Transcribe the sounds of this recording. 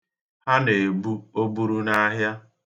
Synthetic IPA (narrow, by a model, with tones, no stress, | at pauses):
ha˦ne˨bu˦o˦bu˦ɾu˦na˦ɦja˦